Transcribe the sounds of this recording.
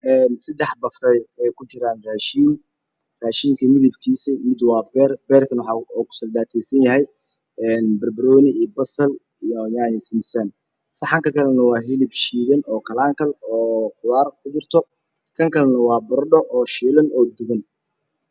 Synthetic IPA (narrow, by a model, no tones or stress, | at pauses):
ʔɛːnsɐd̪ɛħbɐfrɛjɛjkʰʊt͡ʃɪɾaːnraːʃiːn | raːʃiːŋkʰɐmɪðɪbkʰiːsɛmɪd̪wɑːbɛːrbɛːrkʰɐnwħɑɔːkʰʊ̥sɐld̪aːt̪ʰɛjsɐnjɐɦɛj | ɛːnbɐrbɾɔːnɪiːbɐsɐl | jaʕnɪsɪmɪsan | sɐħɑŋkɐkʰɐlɛnɐwɑːɦɪlɪbʃiːðɐnɔːkʰɐlaːŋkʰɐlɔːħʊðaːrkʰʊd̪ʊrt̪ʰɔ | kʰɐŋkʰɐlɛnɐwɑːbɐrɖɔʔɔːʃiːlɐnʔɔːd̪ʊɣɐn